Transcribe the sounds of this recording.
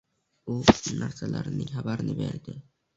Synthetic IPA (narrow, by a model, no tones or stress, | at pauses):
ʊnaɾsalaɾɪnɪŋhabaɾɪnɪbḛɾd̪ɪ